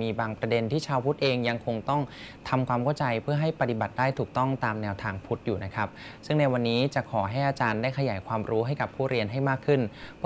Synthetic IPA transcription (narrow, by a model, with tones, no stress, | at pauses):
miː˧baː˧ŋpɾa˧de˧nt̪ʰiː˥˩t͡ɕʰaː˧wpʰu˦˥t̪̚ʔeː˧ŋja˧ŋkʰo˧ŋt̪ɔ˥˩ŋ | t̪ʰa˧mkʰwaː˧mkʰa˥˩wt͡ɕa˧jpʰɯ˥˩ɐɦa˥˩jpa˧t̪i˨˩ba˨˩t̪̚daː˥˩jt̪ʰuː˨˩k̚t̪ɔ˥˩ŋt̪aː˧mnɛː˧wt̪ʰaː˧ŋpʰu˦˥t̪̚juː˨˩na˦˥kʰa˦˥p̚sɯ˥˩ŋna˧jwa˧nːiː˦˥t͡ɕa˨˩kʰɔː˩˦ɦa˥˩jʔaː˧t͡ɕaː˧ndaː˥˩jkʰa˧jaː˩˦jkʰwaː˧mɾuː˦˥ɦa˥˩jka˨˩pʰːuː˥˩ɾi˧ənɦa˥˩jmaː˥˩kʰːɯ˥˩np